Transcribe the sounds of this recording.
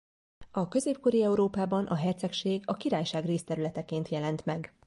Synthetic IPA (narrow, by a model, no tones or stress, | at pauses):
ɒkø̞zeːp̚ko̞ɾiɛuɾoːpaːbɒnʔɒɦɛrt̪sɛkʃeːɡɒkiɾaːjʃaːɡreːst̪ɛɾylɛt̪ɛkeːnt̪jɛlɛnt̪mɛɡ